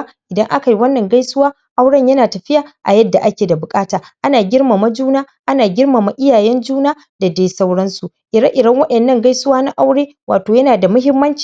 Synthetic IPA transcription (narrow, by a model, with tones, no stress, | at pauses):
ʔɪ˨dɐ˦ŋʔa˦ka˨ji˦wɐ˦nːɐ˨ŋɡa˦jsʊ˦waː˦ | ʔa˦wɽɐ˦ɲjɐ˦naː˨tɐ˨ɸɪ˦jaː˨ʔa̰˨jɐ˦dːa˨ʔa˦kʲeː˨da˨bʊ˨kʼaː˦taː˨ʔa˦naː˨ɡʲɪ˦rma˨ma˦d͡ʒuː˦naː˦ | ʔa˦naː˨ɡʲɪ˦rma˨ma˦ʔɪ˦jaː˨jɛ˦nd͡ʒuː˦naː˦ | da˨deː˦sa˦wɽɐ˦nsu˨ʔʔɪ˨ɾɐ˦ŋʔɪ˨dɐ˦ŋwɐ˦ɗɐ˨nːɐ˦ŋɡa˦jsʊ˦waː˦na˦ʔa˦wɽeː˦ | wʔa̰ː˨toː˨jɐ˦naː˨da˨mʊ˦ɦɪ˦mːɐ˦nt͡ʃi̥ː˨